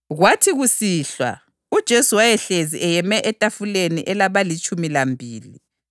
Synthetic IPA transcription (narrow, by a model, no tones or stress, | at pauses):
ɣwatʰiɣusiːɬwa̰ | ud̥ʒ̥ʱesuwajɛɬeziʔɛjɛmɛʔɛtʼafuleniʔɛlaβalit͡ʃʼumilambʱiːlḭ